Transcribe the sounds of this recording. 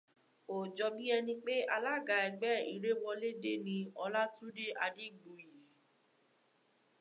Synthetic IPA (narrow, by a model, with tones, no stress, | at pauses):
o˨d͡ʒɔ˨˧bi˦ɛ˧nĩ˧k͡pe˦a˧la˦˨ɡa˨˧ɛ˧ɡ͡bɛ˦i˨ɾe˦wɔ˧le˦de˦nĩ˧ɔ˧la˦tũ˦de˦a˧de˦˨ɡ͡bu˨ji˨